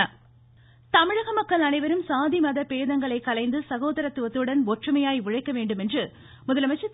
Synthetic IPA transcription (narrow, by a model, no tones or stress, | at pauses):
t̪ɐmɪɻɐɣɐmɐkːɐɭɐnɐɪʋɐɾɯmsaːðimɐðɐpeːðɐŋɡɐɭɐɪkɐlɐɪnd̪ɯsɐɣoːðɐɾɐt̪ːʊʋɐt̪ːɯɽɐnɔʈrɯmɐjaːjʋʊɻɐɪkːɐʋeːɳɖɯmɛndrɯ | mʊðɐlɐmɐɪt͡ʃːɐ